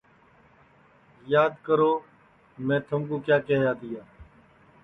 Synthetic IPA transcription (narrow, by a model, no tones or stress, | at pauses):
jaːd̪kəɾoː | mɛ̃ːt̪ʰəmkuːkjaːkɛɦjaːd̪ɪjaː